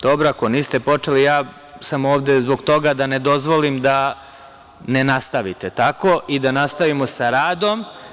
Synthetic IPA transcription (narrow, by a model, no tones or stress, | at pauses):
d̪̥o̞bɾoakoniːst̪e̞po̞t͡ʂelijaː | samoːʋd̪ezbo̞ɡt̪o̞ɡad̪ane̞d̪o̞zʋolimd̪a | ne̞nast̪aʋit̪e̞t̪ako̞ʔid̪anast̪aʋimo̞saɾaːd̪o̞m